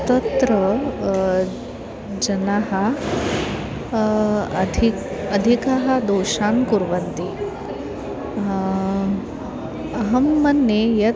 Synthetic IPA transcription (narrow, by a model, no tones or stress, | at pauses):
t̪ɐt̪ɾɐ | d͡ʒɐnaɦɐ | d̪ʱi | ɐd̪ʱikɐɦɐd̪oːʃaːnkuɾʋɐnt̪i | ɐɦɐmːɐnːejɐ